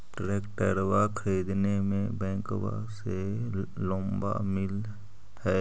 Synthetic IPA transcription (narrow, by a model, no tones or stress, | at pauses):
ʈɾeːkʈəɾwakʰəɾiːd̪nemẽbɛ̃ːkwa̰ | selõːmba̰mɪl | hɛː